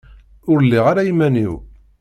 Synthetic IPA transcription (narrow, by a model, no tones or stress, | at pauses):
ʊɾəlːiʁaɾajimænḭw